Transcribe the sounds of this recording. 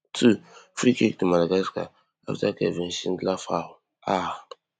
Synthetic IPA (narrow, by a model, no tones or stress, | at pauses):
tʰufɾikikdimalaɡaska̰ | a̰ftakḛven̩ʃin̩dlafahʊ | a